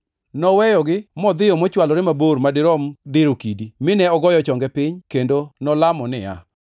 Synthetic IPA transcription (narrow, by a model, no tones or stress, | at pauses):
nɔwɛjɔɡɪmɔd̪ɪjɔmɔt͡ʃwalɔɾɪmaboɾmadɪɾɔmdɪɾokidimɪnɛɔɡɔjɔt͡ʃɔŋɡɛpɪɲkendonɔlamɔnɪ̰ja̰